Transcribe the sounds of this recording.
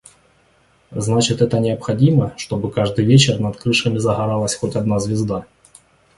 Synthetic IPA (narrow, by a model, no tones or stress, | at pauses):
znat͡ɕɪt̪ɛt̪ənʲɪɐpxadʲimɐʂt̪obɨkaʐd̪ɨjvʲet͡ɕɪrnɐt̪kɾɨʂɐmʲɪzɐɣaɾalˠəsʲxotʲad̪nazʲvʲɪzd̪a